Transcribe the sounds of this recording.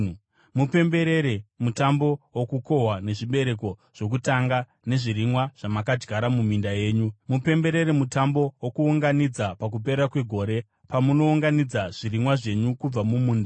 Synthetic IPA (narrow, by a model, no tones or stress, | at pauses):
mupe̞mbe̞ɾe̞ɾemutambo̞wokuko̞ɦwane̞ʐiɓe̞ɾe̞ko̞ʐ̥o̞k̬utaŋɡa | ne̞ʐiɾimwaʐ̥amakad͡ʒɡaɾamumindaje̞ːɲumupe̞mbe̞ɾe̞ɾemutambo̞wokuːŋɡanid͡zapak̬up̬e̞ɾakwe̞ɡʱo̞ɾe̞ | pamuno̞uŋɡanid͡zaʐ̥irimwaʐe̞ɲukub͡vamumuːnda